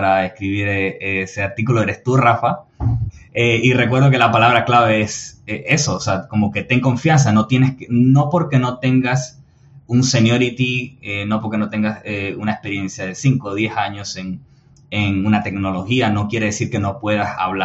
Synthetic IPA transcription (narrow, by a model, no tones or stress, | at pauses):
ɾaeskɾiβiɾeeseaɾt̪ikuloeɾe̞st̪urafa | eirekwe̞ɾðo̞k̬e̞lapalaβ̞ɾaklaβe̞eseʔe̞so̞ːseako̞mo̞ke̞t̪e̞ŋko̞ɱfjans̬ano̞t̪je̞neskeno̞po̞ɾke̞no̞t̪e̞ŋɡas | unse̞njo̞ɾit̪ieno̞po̞ɾke̞not̪e̞ŋɡaseunaehspe̞ɾje̞nsjaðe̞siŋko̞ðje̞saɲo̞se̞ŋ | eŋunat̪e̞kno̞lo̞xiano̞kje̞ɾe̞ðe̞siɾkeno̞pwe̞ðasa̰βla